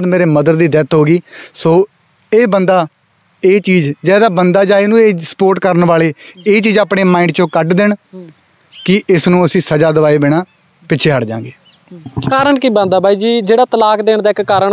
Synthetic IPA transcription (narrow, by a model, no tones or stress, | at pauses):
d̪meːɾeːməd̪əɾd̪iːd̪ɛːt̪ɦoːɡiːsoː | eːbənd̪aː | eːt͡ʃiːzd͡ʒɛːd̪aːbənd̪aːd͡ʒaːeːnũːeːsə̥poːɾʈkəɾənʋaːɭeːeːt͡ʃiːzaːpɳeːmaːɪ̃ɳɖt͡ʃõːkəʈd̪ɪɳ | kɪʔɪsnũːəsĩːsəd͡ʒaːd̪əʋaːiːbeːɽaː | pɪːt͡ʃʰeːɦəɽd͡ʒã̰ːŋɡeː | kaːɾəɳkiːbə̃nd̪aːbʱaːiːd͡ʒiːd͡ʒeːɽaːt̪əlaːkd̪eːɳd̪aːɪkːaːɾəɳ